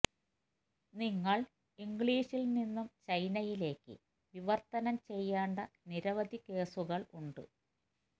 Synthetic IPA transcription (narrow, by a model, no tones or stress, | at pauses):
niŋːɐɭ | iŋɡɭiːɕilninːumt͡ɕɐjnɐjile̞ːkːɨ̰ | ʋiʋɐrt̪ɐnɐmt͡ɕe̞jːaːɳɖɐniɾɐʋɐd̪ʱike̞ːsuɣɐɭuɳɖɨ̰